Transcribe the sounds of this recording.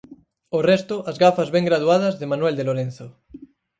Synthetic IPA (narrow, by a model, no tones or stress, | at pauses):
orest̪oʔazɣafazβeŋɡɾaðuað̞ɐzðemanweld̪eloɾenθo